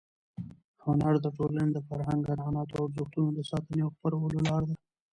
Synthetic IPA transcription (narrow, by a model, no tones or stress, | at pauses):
hʊnaɾd̪əʈoləned̪əfaɾɦaŋɡanɑːnɑt̪oaɾzuxt̪unod̪əsɑt̪əneawxpəɾawəlolɑɾd̪a